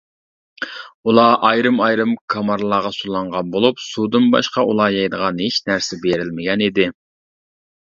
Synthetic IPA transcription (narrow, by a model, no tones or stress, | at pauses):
ulˠɑʔɑjɾɨmɑjɾɨmkʰɑmɑɾlˠɑːʁɑsulˠɑɴʁɑnbolˠupsud̪ɨnbɑ̰ʃqɑʔulˠɑːjɑjd̪əʁɑnheʃnæɾsɪbeɾɪlmɪɡʲɛnid̪ɪ